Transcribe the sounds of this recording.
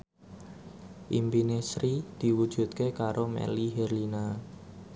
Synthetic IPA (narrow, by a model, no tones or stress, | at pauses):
ʔimbinesɾid̪̥i̤wud̥ʒ̥ṳt̪̚kekaɾomɛ̰liɦɛrlina